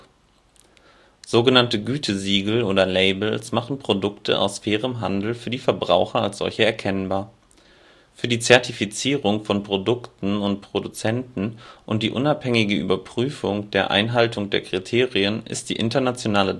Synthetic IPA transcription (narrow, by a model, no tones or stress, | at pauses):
z̥oːɡənantəɡyːtʰəziːɡl̩ʔoːdɐleɪbl̩smaχn̩pʁ̥odʊktʰə̰ʔa̰ʊsfɛːʁ̞əmɦandl̩fyːɐdiːfɛɐbʁa̰ʊxɐalsz̥ɔ̰lçəɛɐkʰɛnbaːɐ | fyːɐdiːt͡sɛɐtifit͡siːʁʊŋfɔnpʁ̥odʊktn̩ʊntpʁ̥odut͡sɛntn̩ʔʊnt̚d̥iːʔʊnaphɛŋɪɡəʔy̰ːbɐpʁ̥yːfʊŋd̥eːɐʔa̰ɪnɦaltʊŋdeːɐkʁ̥itʰeːʁiənʔɪ̰std̥ḭːʔɪntɐnat͡sjonaːlə